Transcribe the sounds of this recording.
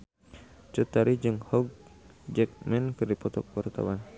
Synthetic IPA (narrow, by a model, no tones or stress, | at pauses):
t͡ʃut̪aɾid͡ʒɨŋhɔɡ̚d͡ʒɛk̚mɛnkɨrdipɔt̪ɔk̚wart̪a̰wan